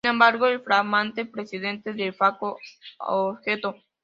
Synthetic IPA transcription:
nẽmbaɾɣoelfɾaɣmãnt̪epɾesiðent̪eðefakoo̰βxet̪o

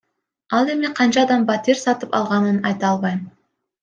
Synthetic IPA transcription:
ɑlˠe̞miqʰɑnt͡ʃɑːd̪ɑmbɑt̪ʲiɾʲsɑt̪ɯpɑ̰lˠʁɑnɯnɑjt̪ɑɑlˠβɑjm

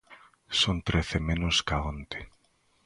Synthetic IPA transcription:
sont̪ɾeθemẽnʊskaont̪e̥

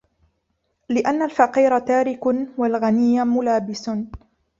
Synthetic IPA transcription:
lɪʔanːalfaqiːɾat̪aːɾɪkʊwalɣanɪjːamʊlaːbɪs

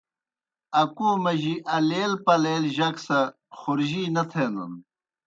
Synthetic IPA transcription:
ɐkuːmɐʑiʔɐleːlpɐleːlʑɐksɐ | xuɾʑiːnɐt̪ʰeːnɐ̰n

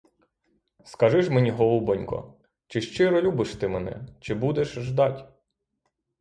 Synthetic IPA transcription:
skɐʒɪʃmenʲiɦɔlˠubɔnʲkɔ̰ | t͡ʃɪʃt͡ʃɪɾɔlʲubɪʃt̪ɪmɛnɛ̰t͡ʃɪbud̪ɛʃʒd̪ɑtʲ

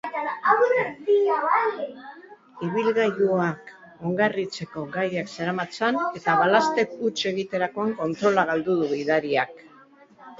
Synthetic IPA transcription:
t̪aaawɾetiaβal | iβ̞ilɣaʝuak | oŋɡarit͡se̞ko̞ɡajakseɾamat͡sane̞t̪aβalast̪e̞put͡ʃe̞ɣit̪e̞ɾako̞aŋko̞nt̪ɾo̞laɣ̞ald̪uðuβiðaɾiak

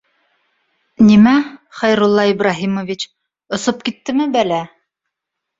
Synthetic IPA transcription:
nimæχɑjɾulˠːɑibɾaɦimovit͡ɕ | ŏsop̚kit̪ːɘmɘbælæ

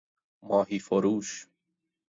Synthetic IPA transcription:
mɔːɦiːfoɾuːʃ

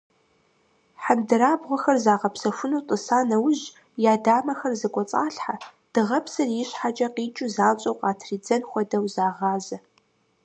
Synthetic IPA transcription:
ħandɨɾaːbʁʷɔxɐrzaːʁɐpsɐfʷʊnuːtʼɨsaːnɐwʊʑ | jaːdaːmɐxɐrzɐkʷʼɔt͡sʼaːɬħad̥ɨʁɐpsɐrjɪɕħat͡ʃʼɐqiːt͡ʃʼuzaːt͡ʃʼɐwqɑːtʰriːd͡zɐnxʷɔdɐwzaːʁɑːzɐ

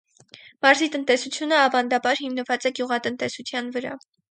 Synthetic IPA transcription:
mɑɾzit̪ənt̪ɛsut͡sʰjunəɑvɑnd̪ɑbɑɾhimnəvɑt͡sɛɡjuʁɑt̪ənt̪ɛsut͡sʰjɑnvəɾɑ̰

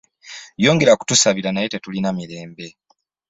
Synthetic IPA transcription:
jo̞ːŋɡe̞ɾaku̥tusaβiɾanaje̞tetulinamiɾe̞ːmbe̞

